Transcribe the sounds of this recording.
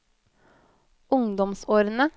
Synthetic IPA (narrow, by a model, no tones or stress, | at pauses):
ʊŋd̪ɔmsoːɾnə